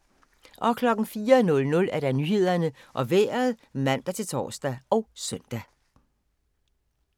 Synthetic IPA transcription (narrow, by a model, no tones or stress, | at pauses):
ʔɒ̽kʰlɒ̽ɡ̥n̩fiːɐnɔ̽lnɔ̽læɐd̥ænyːhe̝ð̞̰ˠɐnəʔɒ̽ʋḛːɐð̩ˠmæn̰d̥æt͡sʰe̝lt͡sʰɒ̰ːsd̥æɒ̽ʊsœn̰d̥æ